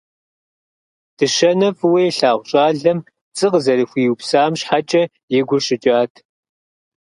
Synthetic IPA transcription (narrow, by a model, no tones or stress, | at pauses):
d̥ɨʃɐnɐfɨweːɬaːʁʷʊɕʼaːɮɐm | t͡sʼɨqəzɐɾɨxʷiːwpsaːmɕħat͡ʃʼɐ | jɪɡʷʊrɕɪt͡ʃʼaːtʰ